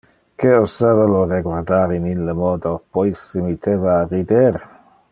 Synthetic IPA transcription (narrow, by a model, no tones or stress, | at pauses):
keosaveloreɡwaɾd̪aɾinilːemɔd̪opojsemit̪ʰevaːrid̪eɾ